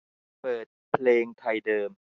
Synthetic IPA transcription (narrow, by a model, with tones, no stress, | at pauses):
pɤː˨˩t̪̚pʰleː˧ŋt̪ʰa˧jdɤː˧m